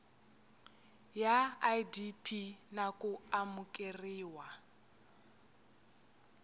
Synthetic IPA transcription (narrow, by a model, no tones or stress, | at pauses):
jaadipʰinakʼuamukʼeriːwa